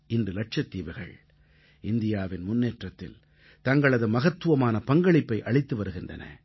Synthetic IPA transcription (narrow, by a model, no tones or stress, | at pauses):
ɪndrɯlɐʈ̚ʂɐt̪ːiːʋɐɣɐ̰ɭ | ʔɪnd̪ɪjaːʋɪnmʊnːeːʈrɐt̪ːɪ̰l | t̪ɐŋɡɐɭɐðɯmɐɣɐt̪ːɯʋɐmaːnɐpɐŋɡɐɭɪpːɐɪʔɐɭɪt̪ːɯʋɐɾɯɣɪndrɐ̰nɐ̰